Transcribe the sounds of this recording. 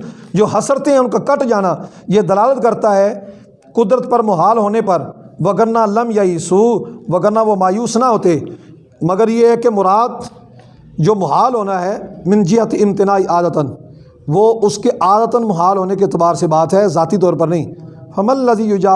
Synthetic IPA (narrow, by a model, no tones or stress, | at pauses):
d͡ʒoːɦɐsəɾt̪ẽɦɛ̃ʊnkakəʈd͡ʒaːnaː | jed̪ɐlaːlət̪kɐɾt̪aɦɛː | kʊd̪ɾət̪̚pɐɾmʊɦaːlɦoːnepɐɾʋɐɡəɾnalɐmjaiːsuʋɐɡəɾnaʋomaːjuːsnaɦoːt̪eː | mɐɡəɾjeɦkemʊɾaːd̪ | d͡ʒoːmʊɦaːlɦoːnaɦɛːmɪ̃nd͡ʒɪɦət̪ɪmt̪ɪnaːiʔaːd̪ət̪ən | ʋoːʊskeʔaːd̪ət̪ənmʊɦaːlɦoːnekeɪt̪ɪbaːɾsebaːt̪ɦɛzaːt̪it̪̬ɔːɾpɐɾnɐɦĩːfɐməlːəziːjʊd͡ʒaː